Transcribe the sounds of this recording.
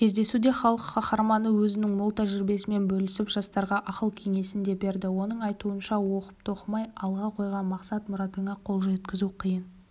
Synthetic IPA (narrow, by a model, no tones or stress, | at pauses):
kʲʰe̞zd̪e̞sud̪e̞χɑlˠəqχɑχɑɾmɑnəwɵzɪnɪŋmʊlˠt̪ʰæʒɪɾbe̞sɪme̞nbɵlɪsɪpʒ̥ɑst̪ɑɾʁɑʔɑqəlˠkʲʰe̞ŋe̞sɪnd̪e̞be̞ɾd̪ɪwo̞nəɴɑjt̪uənʃɑwo̞qə̥p̚t̪ʰo̞qəmɑjɑlˠʁɑqʰo̞jʁɑnmɑqsɑt̪mʊɾɑt̪əɴɑqʰo̞lˠʒet̪kʲɪzuqʰijən